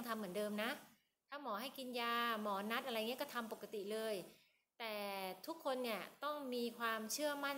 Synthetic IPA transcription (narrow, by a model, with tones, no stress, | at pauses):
ŋt̪ʰa˧mːɯ˩˦əndɤː˧mna˦˥ʔ | t̪ʰaː˥˩mɔː˩˦ɦa˥˩jki˧njaː˧mɔː˩˦na˦˥t̪̚ʔa˧ɾa˧ja˨˩ŋ˦˥kɔ˥˩t̪ʰa˧mpo˨˩kːa˧t̪i˨˩lɤː˧j | t̪ɛː˨˩t̪ʰu˦˥kʰːo˧nːi˥˩ɐt̪ɔ˥˩ŋmiː˧kʰwaː˧mt͡ɕʰɯ˥˩ɐma˥˩n